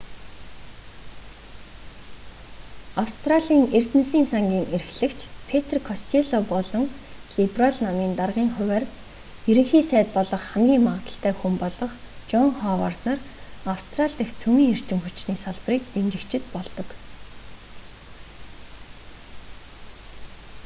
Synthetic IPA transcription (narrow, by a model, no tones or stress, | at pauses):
awst̪ʰraɮʲiːŋer̥t̪ɘ̆nsiːnsaŋɡʲiːŋeɾɘ̆xɮɘ̆kt͡ɕʰpʰet̪ʰrkʰɔst̪ʰeɮɔpɔɮɞ̆ŋɮipraɮnamiːnt̪arʁiːŋχʊwæːr | jɵɾɘ̆ŋxiːsæːt̪̚pɔɮɞ̆χχæmɡʲiːŋmaʁə̆t̪ə̆ɬt̪æːxumpɔɮɞ̆χ | t͡ɕɔŋχɔwa̰rt̪nărawst̪ʰraɮt̪ĭxt͡sʰɵmiːŋer̥t͡ɕɪ̆mxut͡ɕniːsaɮpriːk̚t̪emt͡ɕɪ̆kt͡ɕʰɪ̆t̪pɔɮt̪ɞ̆k